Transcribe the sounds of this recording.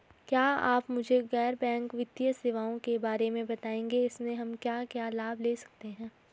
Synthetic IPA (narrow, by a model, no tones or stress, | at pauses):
kjaːa̰ːpmʊd͡ʒʱeɣɛːɾbɛ̃ːŋkʋɪt̪ijəsɪʋaːõkebaːɾemẽbɐt̪aːẽːŋɡeɪsmẽɦɐmkjaːkjaːlaːbʱleːsɐ̥k̚t̪eɦɛ̃ː